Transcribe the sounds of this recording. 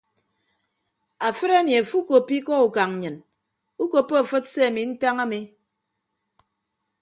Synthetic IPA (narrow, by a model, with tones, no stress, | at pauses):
a˨fɨ˦ɾa˦mi˨a˨fu˦ko˨pi˦kɔ˦u˨ka˨ŋ˨ɲɨ˨n | u˦ko˨pːo˦a˨fɨ˦t̚se˦a˨mi˨n̩˦ta˦ŋa˦mi˨